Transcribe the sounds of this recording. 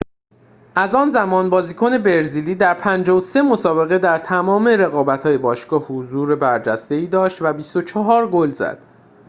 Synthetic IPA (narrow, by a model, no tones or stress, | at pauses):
ʔæzɒːnzæmɒːnbɒːziːkʰone̞be̞ɾziːliːd̪æɾpʰænd͡ʒɒːose̞mo̞sɒːbe̞ɣe̞d̪æɾt̪ʰæmɒːmeɾe̞ɣɒːbæt̪ʰhɒːje̞bɒːʃɡɒːhhozuːɾebæɾd͡ʒæst̪e̞iːd̪ɒːʃt̪væbist̪o̞t͡ʃʰɒɦɒːɾɡolzæ̰d̪̥